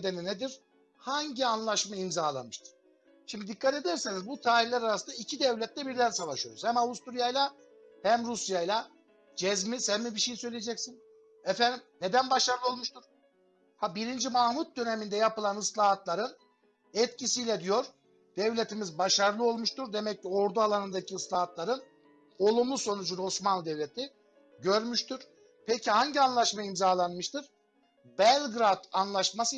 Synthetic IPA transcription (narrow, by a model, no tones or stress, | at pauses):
d̪eninɛd̪iɾ̥ | haɲɟianlˠaʃmaimzaːlˠa̰mɯʃt̪ʰɯ̥ɾ̥ | ʃimd̪id̪ikʰːat̪e̞d̪ɛɾsinizbut̪ʰaːɾillʲæɾaɾasɯnd̪aicʰid̪ɛvlʲɛt̪lʲɛbiɾd̪ænsavaʃyjo̰ɾuz̥hæmavust̪uɾijajlˠa | hæmɾusjajlˠa | d͡ʒɛzmizhɛnmibiʃejsø̞jlʲejed͡ʒɛcsin | ɛfænd̪imned̪ænbaʃaɾlˠɯo̞lˠmuʃt̪ʰuɾ̥ | habiɾind͡ʒimahmut̪̚d̪ø̞nemind̪ɛjapɯlˠanɯslˠaːɦt̪lˠaɾɯn | ɛt̪̚cisijlʲɛd̪ijo̞ɾ | d̪̥ɛvlʲet̪ʰimizbaʃaɾlˠɯo̞lˠmuʃt̪uɾd̪emɛc̚ːio̞ɾd̪ualˠanɯnd̪acʰiɯslˠaːɦat̪lˠaɾɯn | o̞lˠumlˠuso̞nud͡ʒuno̞smanlˠɯd̪ɛvlʲet̪ʰi | ɟø̞ɾmyʃt̪ʰuɾ̥ | pʰecʰihaɲɟianlˠaʃmaimzaːlˠanmɯʃt̪ɯɾ̥ | bɛlʲɡɾad̪anlˠaʃmasɯ